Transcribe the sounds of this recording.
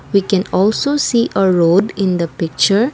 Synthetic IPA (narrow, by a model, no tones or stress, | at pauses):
ʋiːkɛ̃nɔːlsoːsiːʔəɾoːɖɪ̃nd̪əpɪk̚t͡ʃəɾ